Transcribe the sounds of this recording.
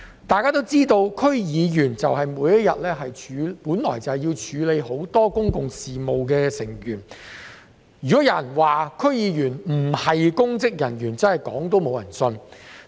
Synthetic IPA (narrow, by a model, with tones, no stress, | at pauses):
t̪aː˨jkaː˥t̪o˥wt͡siː˥t̪o˧wkʰɵ˥ɥjiː˨˧jyː˨˩nt͡sɐ˨wɦɐ˨jmuː˨˧jɐ˥t̚jɐ˨t̚lɛː˥ɦɐ˨jt͡ʃʰyː˨˧puː˨˥nlɔ̰ː˨˩jt͡sɐ˨whɛ˨jiː˧wt͡ʃʰyː˨˥le˨˧jɦo˨˥wt̪ɔː˥kʊ˥ŋkʊ˨ŋsiː˨mo˨wkɛː˧sɪ˨˩ŋjyː˨˩n | jyː˨˩kɔ˨˥jɐ˨˧˥jɐ˨˩nwaː˨kʰɵ˥ɥjiː˨˧jyː˨˩nm̩˨˩hɐ˨jkʊ˥ŋt͡sɪ˥k̚jɐ˨˩njyː˨˩nt͡sɐ˥nhɐ˨jkɔ̰ː˨˥ŋt̪o˥wmo˨˧wjɐ˨˩nsɵ˧n